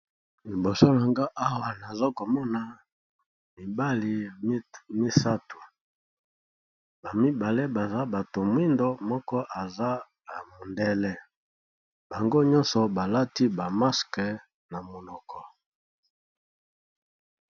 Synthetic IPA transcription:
li˨bo˨so˦la˨ŋɡa˦ʔa˦wa˨na˨zo˦ko˨mɔ˦na˨ | mi˨ba˦li˨˦ | mi˦sa˦tu˨ | ba˨mi˦ba˨le˦ba˨za˦ba˨to˨mwi˦ndo˦mɔ˦kɔ˦ʔa˨za˦ | a˨mo˨ndɛ˦lɛ˦ | ba˨ŋɡo˦ɲɔ̃˦nsɔ˨ba˨la˦ti˦ba˨ma˦skɛ˨ | na˨mo˨nɔ˨kɔ˦

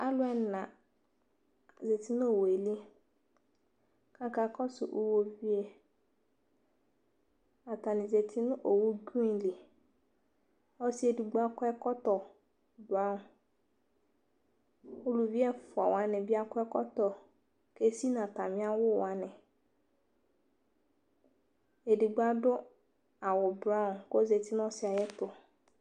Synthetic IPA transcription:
a˦lʊ˦ɛ˦n˨nã˨ | ze˨ti˦n˦o˨wo˨e˨li˦ | ka˦ka˨kɔ˦sʊ̰˨ʔu˦wo˦vi˦e˦ | a˨ta˨ni˨ze˨tʰi˦nʊ̃˦ʔo˨wu˦ɡu˦ĩ˦˨li˨ | ɔ˦si˦e˨du˨ɡ͡ba˦kɛ˦kɔ˦tɔ˨ | ba˦˨ | o˦lu˨vi˦ɛ˦fʊ˨a˨wa˨˦nɛ̃˨bi˦a˦kɔ˦ɛ˦kɔ˦t̪ɔ˨ | ke˦si˦nã˨ta˨mĩ˦a˦wʊ˦˨wa˨˦nɛ̃˨ | e˨di˨ɡ͡ba˦dʊ˦ | a˨wɔ˨ba˦n˨ko˦ze˨ti˦n˦ɔ̃˦sɪ˦a˨jɛ˦tʊ˨

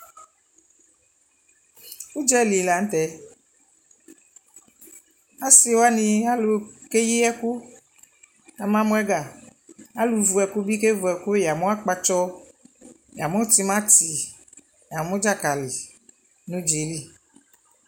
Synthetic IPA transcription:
u˦d͡ʒɛ˦˨li˨la˨ŋ̩˦t̪ɛ˨ | a˦si˦wa˦nĩ˧a˦lu˨ke˦ji˦ɛ˦ku˦ | a˨mã˦mũ˦ɛ˦ɡa˨a˦lu˨vu˨ɛ˨ku˦bi˦ke˦vu˨ɛ˨ku˦ja˨mõ˦a˦k͡pa˦t͡ʃɔ˦ | ja˨mɔ̃˦t̪i˦mã˦ti˨ | ja˨mõ˦d͡ʒa˦ka˨li˨ | nũ˦d͡ʒi˨˦li˦˨

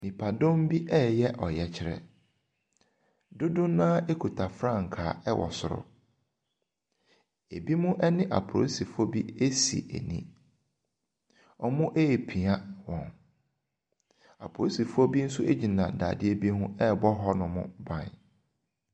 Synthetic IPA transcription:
nĩ˨pʰa˨dʊ̃˦m˦bi˦ʔɛ˦˨jɛ˦ʔɔ˨jɛ˨t͡ɕʰɪ˨ɾɛ̰˨ | dʊ˦dʊ̃˦nãː˦e˦kʰu˨tʰa˨fɾã˦˨ŋ̩˨kʰaː˨ɛ˦wʔɔ̰˨sʊ˨ɾʊ̰˦ | e˨bi˦mʊ̃˦ʔɛ˦nɪ̃˦ʔa̰˨pʰo̰˨˦si˨fʊ˦ɔ˦bi˦e˦sḭ˨ʔḛ˨nḭ̃˦ | ɔ˦mʊ̃˦ʔe˦˨pʰi˨a˦wɔ̃˨n | a̰˨pʰo˦si˨fʊ˦ɔ˦bi˦n̩˦su˦e˦d͡ʑi˨nã˨da̰ː˨dɪ˦e˦bi˦hʊ̃˦ɛ˦bɔ˦ɦɔ˦nʊ̃˨mʊ̰̃˦bã̰˨n

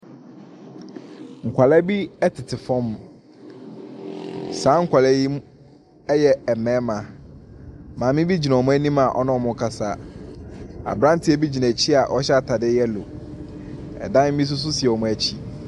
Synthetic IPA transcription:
ŋ̩˨kʷʰa˨lɛ˦bi˦ɛ˦tʰɪ˨tʰɪ˨fɔ̃˦m | sãː˨˦ŋ̩˦kʷʰa˨læ˦ji˦ | ɛ˦jɛ˦ɛ˨mɛ̃ː˨˦mã˨ | mã˨mɪ̃˦bi˦d͡ʑi˨nã˨ɔ˨mʊ̃˦æ˦nĩ˦ma˨ʔɔ̰˦nɔ̃˦˨mʊ̃˨˦kʰa˨sa˦ | a̰˨bɾã˦n˦tʰɪ˦ɛ˦bi˦d͡ʑi˨nã˨t͡ɕʰi˦a˨ʔɔ˦ɕɛ˦a˦˨tʰa˨dɪ˦jɛ˦lo˨ | ɛ̰˨dã˦m̩˦mĩ˦s̬ʊ˦s̬ʊ˦si˨ɛ˨ɔ˨mʊ̃˦æ˦t͡ɕʰi˦

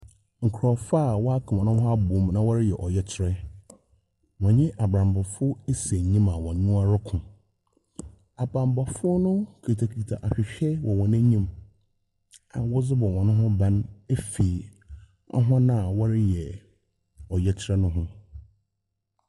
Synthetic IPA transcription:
ŋ̩˨kʰɾɔ˨faː˦˨wɔ˦a˦kʰã˨wɔ̃˨nʊ̃˦hʊ̃˦a˦bʊ˨˦mnã˦wɔ˦ɾɪ˦jɛ˨ʔɔ˨jɛ˦t͡ɕʰɪ˦ɾɛ˦ | wɔ̃˨ɲɪ̃˦ʔa˨bɾã˨mba˨fʊ˦e˦sæ˨ɲĩ˦mã˨wɔ̃˨ɲʊ̃˦a˦ɾkʰʊ̃˨ | a˨bɾã˨mba˨fʊ˦nʊ̃˦kʰi˨tʰa˨kʰi˨tʰa˨ʔa˨ɕᶣɪ˨ɕᶣɛ˦wʔɔ˨wɔ̃˨næ̃˦ɲĩ˦m | ã˨wɔ˦d͡zɪ˦bɔ˨wɔ̃˨nʊ̃˦ɦʊ̃˦bã˦ne˦fiː˨ | a̰˦ɦã˦nã˦˨wɔ˦ɾɪ˦jɛ˨ | ɔ˨jɛ˦t͡ɕʰɪ˦ɾɛ˦nʊ̃˦ɦʊ̃˦

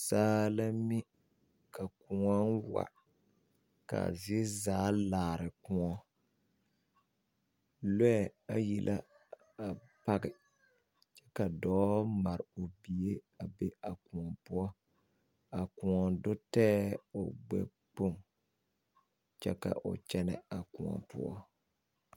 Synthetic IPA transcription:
saː˦la˦mɪ˦ | ka˨kʊ˨ŋɔ˦nwa̰˨ | ka̰˨zɪ˦zaː˨˦laː˨ɾɪ˨kʊ̃˨˦ɔ˦ | lɛ˦ɛ˨a˨ji˨lʔa̰˦ | a˨pa˦ɡɪ˨ | t͡ʃɛ˦ka˨dɔː˨˦ma˨ɾɪ˨o˨bi˨e˦ | a˨be˦a˨kʊ̃˨ŋɔ˨pʊ˦ɔ˦ | a˨kʊ˨ɔ˨dʊ˦tɛː˦ʊ˨ɡ͡bɛ̰˨ | k͡po˦˨ŋ | t͡ʃɛ˦ka̰˨ʔʊ̰˨t͡ʃɛ˦nɛ˦a˨kʊ˨ŋɔ̰˨pʊ̰˦ɔ̰˦

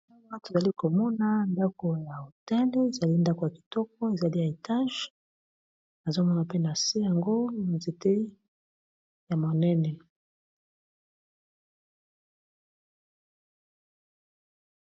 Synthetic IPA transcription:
ŋa˦to˨za˨li˦ko˨mɔ˦na˦nda˦ko˨ja˨o˨tɛ˦nde˦e˨za˨li˦nda˦ko˨ja˨ki̥˨tɔ˦k̚ɔ˦e˨za˨li˦ja˨e˨ta˦ʒ | na˨zo˦mɔ˦na˨pe˦na˨se˦ja˨ŋɡo˦˨nze˨te˦ | ja˨mo˨nɛ˦nɛ˨

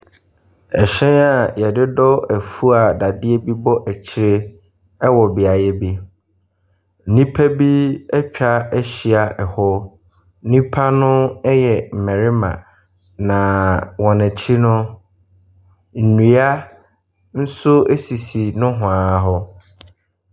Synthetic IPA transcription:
ɛ˨ɕᶣɛ̃˦na˨jɛ˨dɪ˦dɔ˦æ˨fu˦a˨da˨dɪ˦e˦bi˦bɔ˦ʔæ˨t͡ɕʰi˦˨ɾe˦ | ɛ˦wɔ˨bɪ˨a˨jɛ˦bi˦ | n̩˨nĩ˦pʰæ˦bi˦ɛ˦t͡ɕᶣa˦ɛ˦ɕi˨a˨ʔɛ˨hɔ˦ | n̩˦nĩ˦pʰa˦nʊ̃˦ɛ˦jɛ˨m̩˨mɛ˨ɾɪ˦mã̰˨ | nã˨wɔ̃˨næ˨t͡ɕʰi˦nʊ̃˦ | n̩˨nũ˨a˦ | n̩˦sʊ˦e˦si˨si˨nʊ̃˦ɦʊ̃˨ã˨˦ɦɔ˦

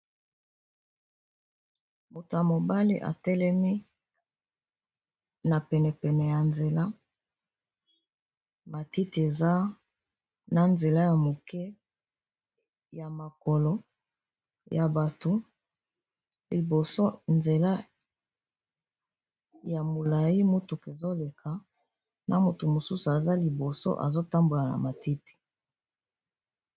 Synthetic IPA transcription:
mo˨ta˨mo˨ba˦lḭ˦ʔa̰˨tɛ˦lɛ˦mi˦ | na˨pɛ˨nɛ˨pɛ˨nɛ˨ja˨nze˨la˦ | ma˨ti˦ti˨e˨za˦ | na˨nze˨la˦ja˨mo˨kɛ˦ | ja˨ma˨ko˨lo˦ | ja˨ba˨to˨ | li˨bo˨so˦nze˨la˦ | ja˨mo˨la˨ji˦mo˦tu˨ke˨zo˦le˨kʰa˨ | nʔa˨mo˨tu˨mo˨su˦su˨a˨za˦li˨bo˨so̰˦ʔa̰˨zo˦ta˦mbo˨la˨na̰˨ma˨ti˦ti̥˨

